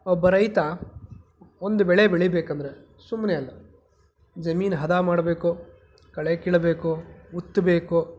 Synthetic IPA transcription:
ɔbːɐɾɐjt̪a | ond̪ubɛɭebeɭibeːkɐnd̪ɐɾe | sumːneɐlːɐ | d͡ʒɐmiːnɦɐd̪aːmaːɽɐbeːku | kɐɭekiːɭɐbeːkuut̪ːbeːku

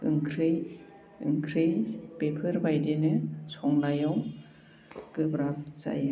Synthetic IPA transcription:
ɯ̰ŋkʰɾɯj | ɯ̰ŋkʰɾejpepʰɯɾbʱajdenɯsʰɔŋnajaw | ɡ̥ɯbɾap̚za̰j

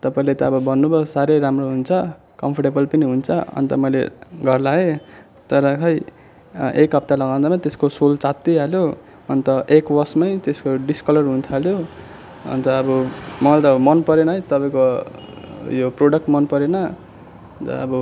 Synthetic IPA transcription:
t̪ʌpaĩlet̪ʌːbʌbʱʌnːubʌsaɾeɾamroɦunt͡sʰʌ | kʌmpʰʌrʈebʌlpʌniɦunt͡sʰʌʌ̰nt̪ʌmʌjlḛɡʱʌrlae | t̪ʌɾʌkʰʌj | ʔekɦʌp̚t̪alʌɡaw̃d̪amat̪eskosolt͡sat̪ːiɦaljo | ʌnt̪ʌʔekwʌrsmʌjt̪eskoɖiskʌlʌrɦunt̪ʰaljo | ʌ̰nt̪ʌːbʌmʌlt̪ʌmʌnpʌɾenʌɦjt̪ʌpaj̃ko | joproɖʌk̚ʈmʌnpʌɾenʌ | t̪ʌ̰ʌ̰bʌ

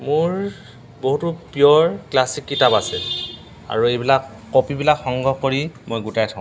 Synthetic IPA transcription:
mʊɹ | boɦutʊpijɔɹklasikːitapasɛ | a̰ɹuejbilakːopibilakxɔŋɡʱɔɦkoɹimojɡutajtʰaʊ̃

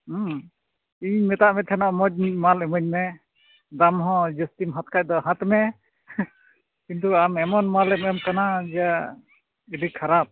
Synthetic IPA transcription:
iɲmɛt̪aʔmɛt̪ʰɛnɔʔmɔd͡ʒ̚malɛmɔɲmɛ | d̪amɦɔ̃d͡ʒəst̪imɦat̪kʰaʔ̚d̪ɔɦãt̪mɛ | kint̪uamɛmɔnmalɛmɛmkanad͡ʒɛa | ilikʰaɾap̚

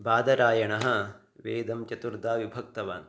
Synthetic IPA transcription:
baːd̪ɐɾaːjɐɳɐɦɐ̆ | ʋeːd̪ɐmt͡ʃɐt̪uɾd̪aːʋibʱɐk̚t̪ɐʋa̰ːn

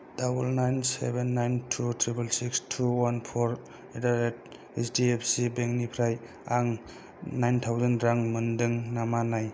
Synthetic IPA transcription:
d̥abulnajnsḛbenːajntʰutʰɾibelsikstʰuwanpʰoɾ | edaɾet̚ | esdiepʰsibeŋnipʰɾaj | aŋ | najntʰawzanɾaŋməndɯŋnamanaj

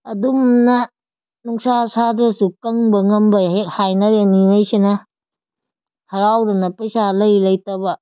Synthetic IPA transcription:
ɐdumnɐ | nuŋsasadɾɐsukɐŋbɐŋɐmbɐehajnɐɾenimajsenɐ | hɐɾawdɐnɐpɐjsalɐjlɐjtɐbɐ

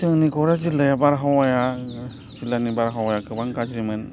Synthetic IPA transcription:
t̪ɯŋnikoɾat͡ʃilajabaɾɦawaja | t͡ʃilanibaɾɦawajakɯbaŋkat͡ʃimən

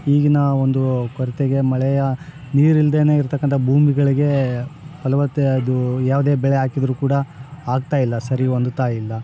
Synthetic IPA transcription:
iːɡinɐond̪ukɔɾit̪eɡe̞mɐɭɛjɐ | niːɾild̪eːne̞ːiɾt̪ɐkːɐnt̪ʰɐbʱuːmiɡɐɭiɡe̞ | ɐlɐʋɐt̪ːeɐd̪ujaːʋɐd̪eːbɛɭeaːkid̪ɐɾuːkuːɽɐaːɡ̚t̪aːjilːɐsɐɾiond̪ut̪aːjilːɐ

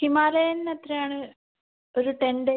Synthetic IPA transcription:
kimaːɾɐnːɐt̪rejaːɳɨ | oɾuʈeɳɖe

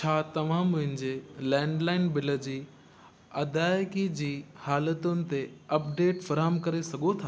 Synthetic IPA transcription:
t͡ɕʰaːt̪ɐʋ̤ãmʊ̃ɦɪ̃ɲd͡ʑelɛ̃ːɳɖlaːɪnbɪlə̆d͡ʑiː | ɐd̪aːjkid͡ʑiːhaːlət̪ʊnɪ̆t̪eɐp̚ɖeːʈfɐɾɦəmkɐɾesɐɡʱot̪ʰaː

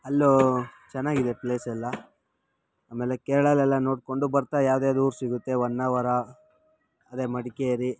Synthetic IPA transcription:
ɦɐlːoːt͡ʃɛnːaːɡid̪epleːsɛlːɐ | aːmeːlekɛːɭɐlɛlːɐno̞ːɽko̞ɳɖubɐɾt̪aːjaːwd̪eɐd̪uuːɾsiɡut̪ːe̞ʋɐnːaʋɐɾɐ | ɐd̪e̞ːmɐɽikeɾi

